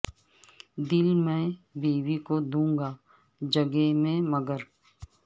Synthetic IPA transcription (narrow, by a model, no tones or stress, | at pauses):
d̪ɪlmɛ̃ːbiːwikod̪ũːŋɡaː | d͡ʒəɡemẽməɡəɾ